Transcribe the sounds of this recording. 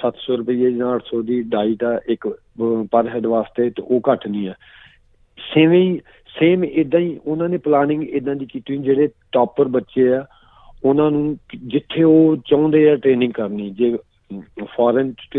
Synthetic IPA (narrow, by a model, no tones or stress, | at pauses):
sət̪ʰsɔːɾəpəiːeːd͡ʒãːəʈʰsɔːd̪iːɖaːiːʈaːʔɪk | pəɾɦəɖʋaːst̪eːt̪eʔoːkəʈniːɛː | seːʋẽiː | seːmɪd̪ãːiːʔʊnãːneːplaːnɪ̃ŋɡɪd̪ãːd̪iːkiːt̪ĩːd͡ʒeːɽeːʈɔːpːəɾbətːʃeːɛː | ʊnãːnũːd͡ʒɪt̪ʰːeːoːt͡ʃãːnd̪eːɛːʈɾeːnɪ̃ŋɡkəɾniːd͡ʒeː | pʰaːɾən